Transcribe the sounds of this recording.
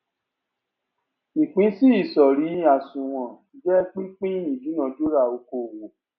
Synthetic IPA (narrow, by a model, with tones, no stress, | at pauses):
i˨k͡pĩ˨˦si˦i˦˨sɔ˨ɾi˨˦a˨sũ˨w̃ɔ̃˨ | d͡ʒɛ˦k͡pi˦k͡pĩ˦ĩ˨d͡ʒi˨˦nã˧do˦ɾa˦˨o˧˦ko˧˨wo˨